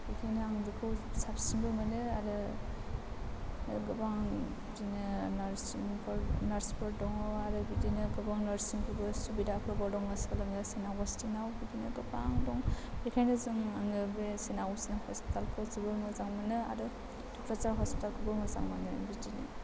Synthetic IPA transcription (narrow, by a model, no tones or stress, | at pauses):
bekʰajnɯaŋdikʰɯwsapsiŋbɯmanɯaɾɯ | ɡɯbaŋ | dinɯnaɾsiŋpʰɔɾnaɾspʰɔɾdɔŋɔwaɾɯbidinɯɡɯbaŋnaɾsiŋkʰɯbɯsubidakʰɯbɔdɔŋmaskalamjasinaɡɔstinawbidinɯɡɯbaŋdɔŋbekʰajnɯzɯŋaŋɯbesenawɔsinahɔspi̥talkʰɯzibɯmɯzaŋmanɯa̰ɾɯ | d̥ɔkʰɾat͡ʃaɾɦɔspi̥talkʰɯbɯmɯza̰ŋmanɯbidinɯ̰